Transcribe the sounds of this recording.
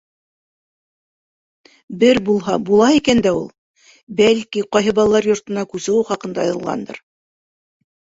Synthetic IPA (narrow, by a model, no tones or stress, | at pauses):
bɘɾbulˠɦɑbulˠɑikænd̪æulˠ | bælkiqɑjɦɤbɑlˠlˠɑɾjŏɾt̪ɤ̆nɑkʉzɘ̆wɘχɑqɤ̆nd̪ɑɑjɤ̆lˠʁɑ̰nd̪ɤ̰ɾ